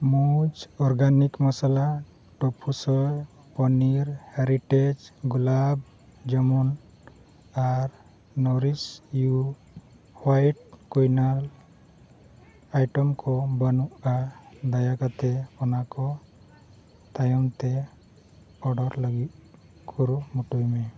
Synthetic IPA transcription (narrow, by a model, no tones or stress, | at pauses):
mud͡ʒɔɾɡanikməsala | ʈɔpʰusɔj | pɔniɾheɾiʈed͡ʒɡulab | d͡ʒəmun | aɾ | nɔɾisju | hwajʈ̚kujnal | ajʈɔmkʰɔbənuad̪ajakat̪epɔnakɔ | t̪ajɔmt̪e | ɔɖɔɾləɡit | kʰuɾumuʈujme